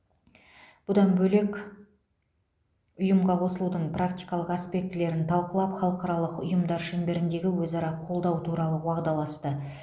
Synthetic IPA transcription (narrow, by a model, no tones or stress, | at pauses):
b̥ʊd̪ɑnbɵle̞kʲ | ʊjəmʁɑqʰo̞səlˠud̪əɴprakt̪ijkɑlˠəqaspe̞k̚t̪ɪle̞ɾɪnt̪ʰɑlˠqəlˠɑpχɑlˠəqɑɾɑlˠəqʊ̰jəmd̪ɑɾʃɵmbe̞ɾɪnd̪e̞ɡʲɪwɵzɑɾɑqʰo̞lˠd̪ɑwt̪ʰuɾɑlˠəwɑʁd̪ɑlˠɑst̪ə